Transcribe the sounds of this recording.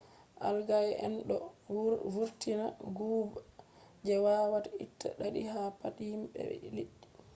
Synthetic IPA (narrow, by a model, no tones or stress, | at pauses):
ʔa̰lɡajʔɛ̰nɗɔ | vuɾtinaɡuːb | d͡ʒɛwawatitːa̰ɗaɗiɦapathimɓɛ̰liɗːi